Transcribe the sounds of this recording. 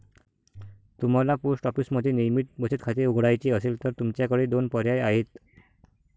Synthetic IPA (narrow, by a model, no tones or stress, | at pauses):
t̪umalapusʈɔpisməd̪ʱenijmiʈ̚bəsʰit̪kʰat̪euɡɽajt͡ɕiəsilt̪əɾt̪umt͡ɕakəɽed̪onpɔɾjajaɦit̪